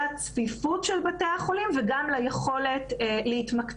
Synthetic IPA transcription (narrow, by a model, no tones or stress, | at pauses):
at͡sfifutʃelbateaχo̞limveɡamlajeχo̞le̞tlehitmak